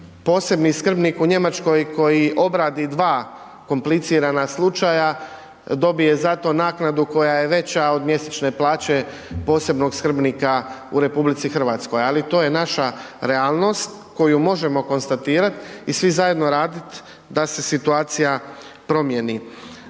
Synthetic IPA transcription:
po̞ːse̞bniskr̩bnikuɲe̞mat͡ʃko̞jko̞jiʔo̞bɾaːd̪id̪ʋaː | ko̞mplit̪siːɾanaslˠut͡ʃaja | d̪o̞bije̞zat̪o̞naːknad̪uko̞jaje̞ʋe̞t͡ɕao̞d̪mje̞set͡ʃne̞plˠaːt͡ɕe̞ | po̞ːse̞bno̞ɡskr̩bnikaṵɾe̞publit̪sixr̩ʋaːt̪sko̞jalit̪o̞ːje̞naʃa | ɾe̞aːlˠno̞st̪ | ko̞jumo̞ʒe̞mo̞ko̞nst̪at̪iːɾat̪isʋizaje̞d̪no̞ɾaːd̪it̪ | d̪ase̞sit̪uaːt̪sija | pɾo̞mje̞ni

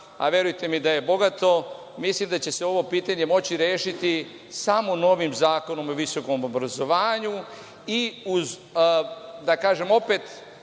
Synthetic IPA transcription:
a̰ʋje̞ɾujt̪e̞mid̪aje̞bo̞ɡat̪o̞ | mislimd̪at͡ɕe̞se̞o̞ʋo̞piːt̪aɲe̞mo̞t͡ɕiɾje̞ːʃit̪i | samono̞ʋimzaːko̞no̞moʋiso̞ko̞mobɾazo̞ʋaːɲu | iuz | d̪akaːʒe̞mo̞pet̪

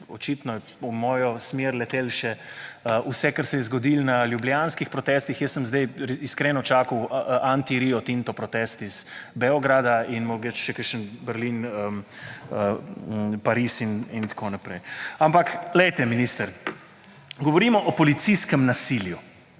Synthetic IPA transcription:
ɔt͡ʃit̪nɔjɛ | umɔːjɔsmeɾlɛt̪eːlʃɛəʔusɛkaɾsɛjɛzɡɔd̪iːlnaljubljanskixpɾɔt̪ɛst̪ixjɛsːəmzd̪ɛjɾiskɾɛːnɔt͡ʃaːkəwʔant̪iɾiɔt̪int̪ɔpɾɔt̪ɛst̪iz̥bɛɔɡɾad̪ainmɔɡɛt͡ʃʃɛkəʃənbəɾlinəm | ə | paɾisinint̪ḁkʰoːnapɾɛjampaklɛjt̪ɛminist̪əɾ | ɡɔʋɔɾiːmɔʔɔpɔlit̪siskɛmnasilju

